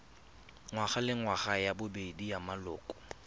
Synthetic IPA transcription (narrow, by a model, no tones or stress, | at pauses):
ŋwaχalɪŋwaχajabʊbedijamalɔːkʼɔ̥